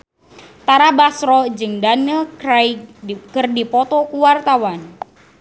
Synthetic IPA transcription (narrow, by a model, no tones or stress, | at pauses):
t̪aɾabasɾɔd͡ʒɨŋdanəajkərdipɔt̪ɔkuwart̪awan